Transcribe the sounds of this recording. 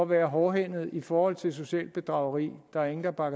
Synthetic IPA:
ɒʋæːɐɦɒːɦen̰ð̞̩ˠifɒːhɒ̽l̰t͡sʰe̝ls̬o̝ɕɛ̰ːl̚b̥e̝d̥ʁɑ̈ʊəʁḭːd̥ɑ̈æɐe̝ŋn̩d̥ɑ̈b̥ɑ̈ɡ

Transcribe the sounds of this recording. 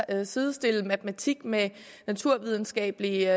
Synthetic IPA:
siðˠsd̥e̝lmæd̥mæt͡sʰiɡ̥me | næt͡sʰuɐ̰ʋið̞ˠn̩sɡ̥ɛ̰ːb̥əli

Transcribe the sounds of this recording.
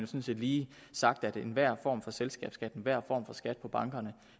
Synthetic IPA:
njosɒnse̝ːd̥liː | sɑ̈ɡ̥̚d̥æd̥enʋæɐ̰fɒ̰ːmfɒ̽selsɡ̥ɛ̰ːb̥sɡ̥æd̥nʋæɐ̰fɒ̰ːmfɒ̽sɡ̥æd̥̚pʰɒ̽b̥ɑ̈ŋɡ̥ɐnə

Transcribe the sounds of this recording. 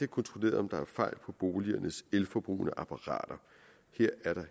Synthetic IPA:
ekʰɒ̽nt͡sʰʁo̝le̝̰ːɐðˠɒ̽md̥ɑ̈æɐfɑ̈ɪ̰lpʰɒ̽b̥o̝ːliɐnəselfɒb̥ʁṵːnəʔɑpʰɑʁɑ̰̈ːd̥ɐ | heɐ̰æɐɾ̥ɑ̈

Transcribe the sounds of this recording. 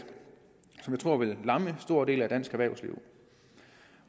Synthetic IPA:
sɒmjɑ̈t͡sʰʁo̝ɐʋe̝lːɑ̈məsd̥o̝ɐ̰d̥e̝̰ːlæd̥æn̰sɡ̥æʋæɐʊslḭʊ

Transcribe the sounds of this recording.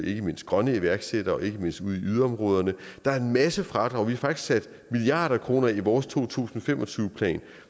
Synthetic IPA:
e̝ɡ̥əme̝n̰sd̥̚ɡ̥ʁɶnəiʋæɐɡ̥sed̥ɐɒ̽e̝ɡ̥əme̝n̰sd̥uð̰ˠiyðˠɐɒ̽mʁɔ̽ːð̞ˠɐnəd̥ɑ̈æɐe̝nmæsəfʁɑ̈d̥ɒ̽ʋihɑ̈fɑ̈ɡ̥d̥isɡ̥sæd̥ | miliɑ̰̈ːɾɐkʰʁo̝ːnɐiʋɒːst͡sʰo̝̰ːt͡sʰṵːsn̩ɒfem̰ʔɒ̽t͡sʰyːʊəpʰlɛ̰ːn

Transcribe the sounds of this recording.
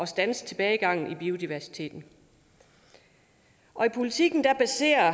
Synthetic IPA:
ɒ̽sd̥ænəst͡sʰe̝b̥ɛːɪɡ̥ɑ̈ŋ̰n̩ib̥io̝d̥iʋæɐsi̥t͡sʰe̝̰ːd̥n̩ | ʔɒ̽ipʰo̝lit͡sʰiɡ̥n̩d̥æb̥æse̝̰ːɐ

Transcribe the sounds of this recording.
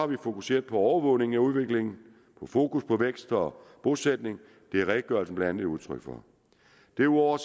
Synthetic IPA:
hɑ̈ʋifo̝kuse̝̰ːɐðˠpʰɒ̽ɒʊɐʋɔ̽ʊne̝ŋ̩æuð̞ˠʋe̝ɡ̥le̝ŋn̩ | pʰɒ̽fo̝ːkuspʰɒ̽ʋeɡ̥sd̥ɒb̥o̝sed̥ne̝ŋ | d̥e̝æʁɛɡ̥̚ɡ̥ɶɐl̩sn̩b̥lænæneuðˠt͡sʰʁœ̰ɡ̥fɒ | d̥e̝uɒʊɐs

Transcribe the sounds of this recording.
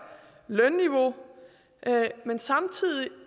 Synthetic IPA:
lœnːiʋo̝ | ʔmensɑ̈mt͡sʰið̰ˠi

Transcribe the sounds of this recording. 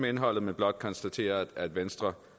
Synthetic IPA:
mee̝nɦɒ̽l̰ð̩ˠmeb̥lɒ̽d̥̚kʰɒ̽nsd̥æt͡sʰe̝̰ːɐæd̥ʋensd̥ʁɐ

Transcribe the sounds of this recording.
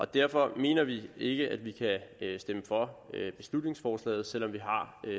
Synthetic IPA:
ʔɒ̽d̥æɐ̰fɒ̽me̝̰ːnɐʋie̝ɡ̥əʔæd̥ʋikʰæsd̥eməfɒ̽b̥e̝slud̥ne̝ŋsfɒːslɛ̰ɪð̞̩ˠsel̰ɒ̽mʋiɦɑ̈

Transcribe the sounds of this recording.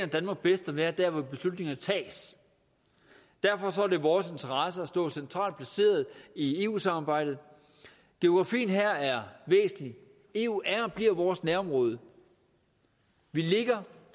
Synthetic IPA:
næd̥ænmɑ̈ːɡ̥̚b̥esd̥æʋæːɐd̥æɐ̰ʋɒib̥e̝slud̥ne̝ŋɐnət͡sʰɛ̰ːs | d̥æɐfɒ̽sɒæɐɾ̥e̝ʋɒːse̝nt͡sʰɐʁɑ̈səæsd̥ɔ̰̽ːsent͡sʰʁɑ̰̈ːld̥̚pʰlæse̝̰ːɐð̞ˠie̝ːṵːsɑ̈mɑ̈ːb̥ɑ̈ɪ̰d̥ð̩ˠ | ɡ̥e̝o̝ɡ̥ʁɑ̈fḭːn̩ɦæɐ̰æɐʋḛːsn̩li | e̝ːuʔæɐb̥liɐ̰ʋɒːsnæɐɒ̽mʁɔ̽ːð̞ˠə | ʋile̝ɡ̥ɐ

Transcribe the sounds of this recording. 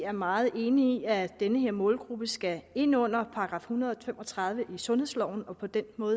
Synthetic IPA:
æɐmɑ̈ːð̞̩ˠe̝ːniiæd̥enəɦe̝ɐ̰mɔ̽ːlɡ̥ʁub̥əsɡ̥æe̝nɔ̽n̰ɐpʰɑ̈ɡ̥ʁɑ̈ːfhunɐðˠɒfem̰ʔɒ̽t͡sʰʁɑ̈ð̞ˠʋəʔisɔ̽nhe̝ðˠslɒʊ̰n̩ɒ̽pʰɒ̽d̥enmɔ̽ːð̩ˠ

